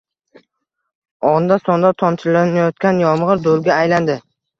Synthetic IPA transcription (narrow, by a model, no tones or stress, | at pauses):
ɒnd̪asɒnd̪at̪ʰɒnt͡ʃʰɪlanajɒt̪̚kʲanjɒmʁɨɾd̪olˠɡʲaːjland̪ɪ